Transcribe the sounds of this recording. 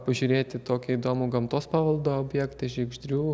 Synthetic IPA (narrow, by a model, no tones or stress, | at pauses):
pɐʒʲʊːɾʲeːt̪ʲɪt̪oːkʲɛid̪oːmuːɡɐmt̪oːspɑːʋɐlˠd̪oːoːbʲjɛkt̪ɐʒʲɛɪɡʒʲd̪ʲɾʲuː